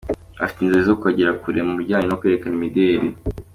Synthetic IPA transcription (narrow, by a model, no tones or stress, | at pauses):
afi̥tinzuɾezokuaɟiɾakuɾemuuɾɟaːɲinokweɾekaimideɾi